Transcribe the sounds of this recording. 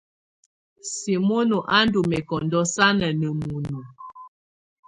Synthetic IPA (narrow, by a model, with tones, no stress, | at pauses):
si˨mo˦no˨ʔa˦n˦du˨mɛ˨kɔ˨ndɔ˦sa˦nə˨nə˨mu˨nu˨